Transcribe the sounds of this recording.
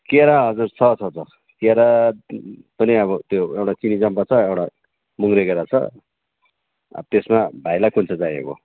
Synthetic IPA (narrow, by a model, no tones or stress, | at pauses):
keɾaɦʌd͡zurt͡sʰʌt͡sʰʌt͡sʰʌ | keɾa | pʌniʌβʌt̪joewʈat͡sinid͡zʌmpat͡sʰʌewɽa | muŋɾekeɾat͡sʰʌ̰ | ʌ̰bt̪esmabʱajlajkʰunt͡sʰʌd͡zajḛko̰